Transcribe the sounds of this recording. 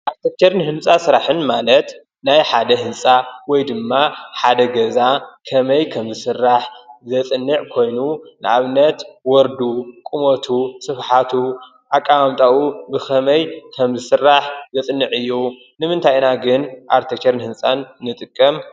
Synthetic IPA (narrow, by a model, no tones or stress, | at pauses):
ʔaɾt̪ʰek̚t͡ʃʰeɾnɨhɨnsʼasɨɾaħɨnmalɐt̪ | najħad̪ɐɦɨnsʼawɔjd̪ɨmːaħad̪ɐɡɐzakʰɐmɐjkʰɐmzɨsɨrːaħzɐt͡sʼɨnːɨʕkʰo̞jnunɨaβnɐt̪wɔɾd̪ukʼumot̪ʰusɨfħat̪ʰu | ʔakʼːawamt̪ʼawubɨxɐmɐjkʰɐmzɨsɨrːaħzɐt͡sʼɨnːɨʕɨjːu | nɨmɨnt̪ʰajnaɡɨnʔaɾt̪ʰekt͡ʃʰeɾnhɨnsʼanːɨt̪ʼɨkʼːɐm